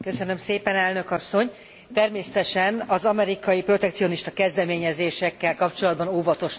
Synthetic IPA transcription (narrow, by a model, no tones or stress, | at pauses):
kø̞sø̞nø̞mseːpɛnɛlnøkɒsːo̞ɲ | t̪ɛrmeːsɛt̪ɛʃɛnɒzɒmɛɾikɒjipro̞t̪ɛk̚t̪sio̞niʃt̪ɒkɛzd̪ɛmeːɲɛzeːʃɛkːɛlkɒpt͡ʃo̞lɒd̪̚bɒnoːvɒt̪o̞ʃ